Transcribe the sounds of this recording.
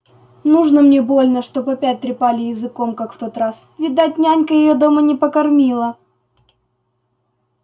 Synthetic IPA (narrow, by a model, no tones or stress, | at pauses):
nuʐnəmnʲebo̞lʲnəʂt̪o̞pɐpʲæt̚ʲt̪ɾʲɪpalʲɪjɪzɨko̞mkakft̪o̞t̪ɾasvʲɪd̪at̚ʲnʲanʲkəjɪjo̞d̪o̞mənʲɪpəkɐrmʲilˠə